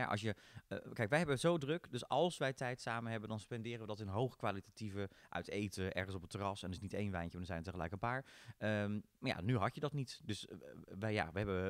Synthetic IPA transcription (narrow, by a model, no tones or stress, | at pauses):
ja̰ʔɑ̰sjəəkɛjkʋɛjɦɛbəzowdrøkdøsɑlˠsʋɛjtɛjtsaːmənɦɛbəndɑnspɛndɪːrəʋədɔtɪnɦowχəkʋalitativəʔœ̰ɥtejtəʔɛ̰ɹχənsɔp̬ətːərɑsɛndərɪsnitejnʋɛjnjəndnzɛjnətəχəlɛ̰jkənpaːɹəmmaɹja̰nyɦɑtjədɔtnitdøsʋɛjja̰ʋəɦɛbə